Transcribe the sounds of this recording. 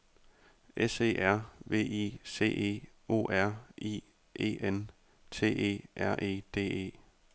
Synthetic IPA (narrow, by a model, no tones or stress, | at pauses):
ʔese̝̰ːʔæɐ̰ʋe̝̰ːise̝̰ːʔe̝̰ː | o̝̰ːʔæɐ̰ḭː | ʔḛːen | t͡sʰe̝̰ːe̝̰ːʔæɐ̰ʔe̝̰ːd̥e̝̰ːe̝̰ː